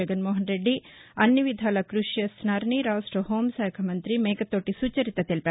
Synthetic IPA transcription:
ɐɡɐnmoːɦɐnɾeɖːiɐnːɐʋid̪ʱaːlɐkɾuʂjɐsnaːɾɐɳiɾaːʋsʈoɦoːmsɛːkʰɐmɐnt̪ɾimeːkɐt̪ːoːʈːisuːt͡ʃɐɾit̪ɐt̪elipeːɾ

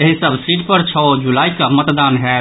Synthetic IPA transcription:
eɦisəbsɾiːʈ̚pəɾt͡ʃʰɔd͡ʒulaːikamət̪d̪anɦɛ

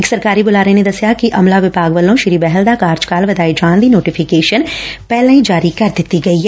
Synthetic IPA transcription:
ɪksɐɾkaːɾibʊlaːɾened̪ɐsjakiʔɐmlaʋɪpaːɡʋəlõʃɪɾiːbɛɦɛld̪akaːɾd͡ʒkaːlʋɐd̪aːid͡ʒãːnd̪inoːʈɪfʰɪkeːʃənpɛɦlãĩd͡ʒaːɾikɐɾd̪ɪt̪iɡɐiːɦɛ

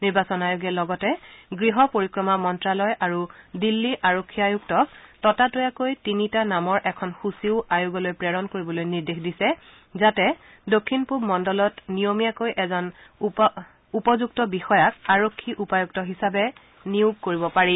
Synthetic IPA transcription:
niɹbasɔnajuɡɛlɔɡɔtɛɡɹiɦɔpoɹikɹɔmamɔntɹalɔjʔaɹudilːiʔaɹokʰːiajuɡtɔk̚tɔtatojakojtinitanamɔɹʔɛkʰɔnxusiʊʔajuɡɔlojpɹɛɹɔnkoɹibɔlojniɹdexdisɛ | zatɛ | dokʰːinpubmɔndɔlɔtnijomijakojʔɛzɔn | upɔzuɡ̚tɔbixɔjakaɹokʰːiʔupajuk̚tɔɦisabɛ | niuɡ̚koɹibɔpaɹi

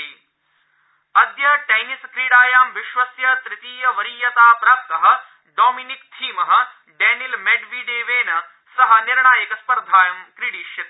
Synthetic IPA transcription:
i | ɐd̪jɐʈɐjniskɾiːɽaːjaːmʋiʃʋɐsjɐt̪ɾit̪iːjɐʋɐɾiːjɐt̪aːpɾaːmt̪ɐɦɐ̆ | ɖoːminik̚t̪ʰiːmɐɦɐ̆ | ɖɛːnilmeɖʋiɖeːʋeːnɐ | sɐɦɐniɾɳaːjɐkɐspɐɾd̪ʱaːjɐmkɾiɽiːʃjɐt̪ː

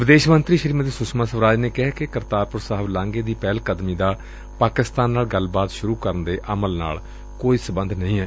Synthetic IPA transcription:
ʋɪd̪eːʃmənt̪ɾiːʃəɾiːmd̪eːsʊsmãːsəʋɾaːd͡ʒneːkɛɦɛːkɪkəɾt̪aːɾpʊɾsaɦəblãːŋɡeːd̪iːpɛːlkəd̪miːd̪aː | paːkɪst̪aːnːaːlɡəlbaːt̪ʃʊɾuːkəɾənd̪eːʔəməlna̰ːl | koːiːsəbənd̪nəɦĩːɦɛː

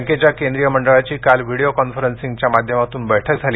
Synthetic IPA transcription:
ŋket͡ɕjakend̪ɾijəməɳɖəɭat͡ɕiːkalʋiɽijokɔnfəɾənsiŋɡt͡ɕjamad̪ʱjəmat̪uːnbəjʈʰək̚d͡zʱaliː

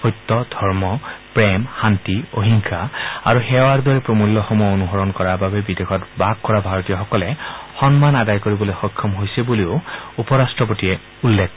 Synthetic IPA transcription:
ojtːɔdʱɔɹmɔpɹɛmhantio̰ɦiŋkʰaaɹuxɛowaɹdɔɹɛpɹomulːɔxɔmɔjɔonuɦɔɹɔnkɔɹaɹbabɛbidexʰɔtbaɡ̚kɔɹabʱaɹɔtijɔxɔkɔlɛxɔnmanadajkoɹibɔlojxɔkʰːɔmɦojsɛbuliʊupɔɹastɹɔp̬otiɛ | ulːɛk

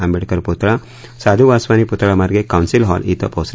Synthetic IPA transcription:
ɐmbeɽkɐɾput̪ɐɭa | saːd̪ʱuʋaːsʋaːniput̪ːɐɭamɐɾɡekɐwnsilɦɔːliːt̪ɔ̰pɐws

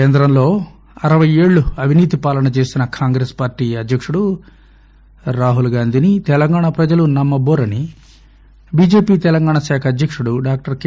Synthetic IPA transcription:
eːnd̪ɾɐmlo̞ː | ɐɾɐʋɐje̞ːɭːuɐʋʱiniːt̪ipaːlɐnɐt͡ʃe̞ːsinɐkʰaːŋɡɾeːspaːɾʈːiːɐd̪jɐkʂuɽu | ɾaːɦulɡaːnd̪ʱinit̪ɛlɐŋɡaːɳɐpɾɐd͡ʒɐlunɐmːɐboːɾɐni | biːd͡ʒe̞ːpiːt̪ɛlɐŋɡaːɳɐʃaːkʰɐd̪jɐkʂuɽuɖaːk̚ʈɐɾk

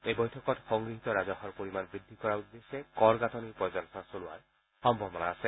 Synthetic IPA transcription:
ejbɔjtʰɔkɔtxɔŋɡɹiɦit̪ɔɹazɔhɔɹpoɹimanbɹid̪ʱːikɔɹaud̪ːesekɔɹɡatɔnipɹɔjzɔnɔsasolua̰ɹ | xɔmbʱɔbɔnaːse

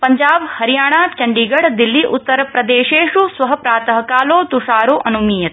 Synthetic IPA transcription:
pɐɲd͡ʒaːbhɐɾijaːɳaːt͡ʃɐɳɖiːɡɐɽd̪ilːiʔut̪ːɐɾɐpɾɐd̪eːʃeːʂusʋɐɦɐpɾaːt̪ɐɦɐkaːloːt̪uʂaːɾoːʔɐnumiːjɐt̪

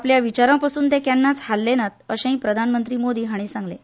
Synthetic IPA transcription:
apljaʋit͡ɕaɾãpasuːnt̪ekjanːat͡shalːenat̪̚əɕẽɦĩpɾəd̪ʱanmənt̪ɾiːmod̪iːɦaɽ̃isãŋɡle

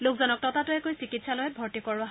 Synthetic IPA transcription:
lokzɔnɔk̚tɔtatʊɛkojsikitsalojɛbʱɔɹtikɔɹʊaɦ

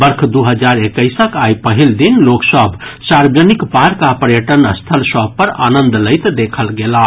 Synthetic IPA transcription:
bəɾkʰd̪uɦəd͡ʒaɾekəjsəkajpəɦild̪inloksəbʱsaɾbd͡ʒənikpaɾkapəɾjəʈənst̪ʰəlsəbpəɾa̰nənd̪ləɪt̪d̪ekʰəlɡela

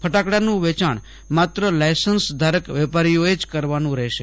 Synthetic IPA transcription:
pʰəʈakɽanũʋɛt͡ʃaɳ | mat̪ɾəlajsənsd̪ʱaɾəkʋɛpaɾijoed͡ʒkəɾʋanũɾɛʃe

